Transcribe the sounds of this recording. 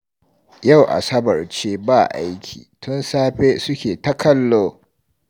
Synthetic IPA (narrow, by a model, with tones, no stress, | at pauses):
ja˦˨wʔa̰˨sɐ˦bɐ˨rt͡ʃeː˦baː˦˨ʔa̰˦jkʲʰḭː˨tʊ˦nsaː˦ɸeː˦sʊ˦kʲeː˨tɐ˦kʰɐ˦lːoː˦